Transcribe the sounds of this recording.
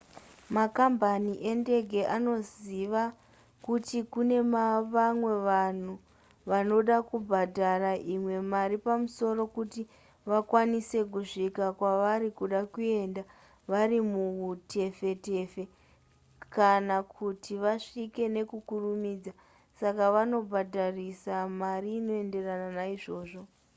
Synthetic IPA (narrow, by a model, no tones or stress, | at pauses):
makambaniʔe̞nde̞ɡʱe̞ʔano̞ziʋa | kutikune̞maʋamwe̞ʋan̤u | ʋano̞ɗakubʱadʱaraʔimwe̞maɾipamuso̞ɾo̞kuti | ʋakwanise̞k̬uʂikakwaʋaɾikuɗakue̞ːnda | ʋaɾimuute̞fe̞te̞fe̞ | kanakʰutiʋaʂike̞ne̞kukurumiːd͡za | sakaʋano̞bʱadʱarisamariːno̞e̞nde̞rananaiʐo̞ːʐo̞